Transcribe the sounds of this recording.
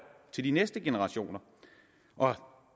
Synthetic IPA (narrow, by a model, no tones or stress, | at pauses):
t͡sʰe̝ld̥inesd̥əɡ̥e̝nəʁɑ̈ɕo̝̰ːnɐ | ʔɒ̽